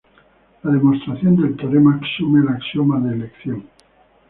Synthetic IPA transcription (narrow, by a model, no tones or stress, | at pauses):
laðe̞most̪ɾaθjo̞nd̪elt̪oɾemaksumelaksjomaðeːlekθjoŋ